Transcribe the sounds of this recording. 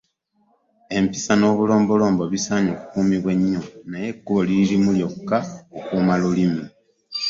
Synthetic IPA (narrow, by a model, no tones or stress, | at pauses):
e̞mpisano̞ːβulo̞ːmbo̞lo̞ːmbo̞βisaːɲoːku̥kuːmiβwe̞ɲːo̞naje̞kːuβolilimuljo̞kːaokuːmalulimi